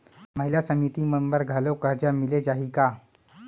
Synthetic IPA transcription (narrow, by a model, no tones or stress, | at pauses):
məɦiljasəmit̪iməmbəɾɡʱalokəɾd͡ʑamiled͡ʑaɦika